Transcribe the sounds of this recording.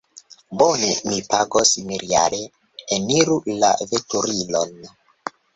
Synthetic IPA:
bonemipaɡosimiɾia̰ɾeː | niɾula̰vetuɾilon

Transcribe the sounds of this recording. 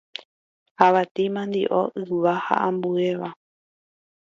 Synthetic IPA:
aʋat̪imãnd̪iʔoʔɨʋaha̰ʔãmbue̞ʋa

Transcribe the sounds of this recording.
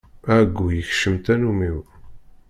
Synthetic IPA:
æɡʷːujəçʃəmt̪ænumiw

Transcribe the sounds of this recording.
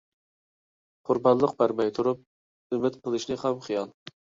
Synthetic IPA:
qʰʊɾbɑnlˠəq̚bæɾmɛjt̪ʰuɾup̚ | ymɪt̪qʰəlˠɨʃnɪχɑmχijɑlˠ

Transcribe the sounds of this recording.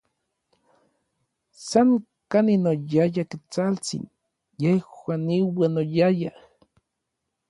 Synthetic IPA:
saŋ | kaninojajakit͡salt͡sḭn | jehwaniwanojaja

